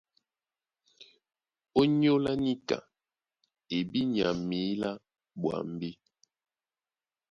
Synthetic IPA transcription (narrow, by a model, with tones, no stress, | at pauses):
o˦ɲo˦la˦ni˦ka̰˨ | e˨bi˦ɲ˨a˨mi˨˦la˦ | ɓwa̰˨m˦bi˦